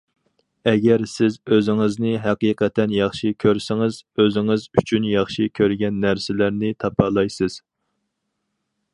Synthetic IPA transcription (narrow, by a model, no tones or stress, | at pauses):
ɛɡʲɛɾsɪzøzɪŋɪznɪɦɛqiːqɛt̪ʰɛnjɑχʃikʲʰøɾsɪŋɪzøzɪŋɪzyt͡ʃʰynjɑχʃikʲʰøɾɡʲɛnːæɾsɪlæɾnɪt̪ʰɑpʰɑlˠɑjsɨz̥